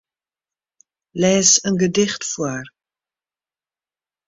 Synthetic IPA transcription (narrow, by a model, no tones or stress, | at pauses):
lɛːsənɡədɪχtfuər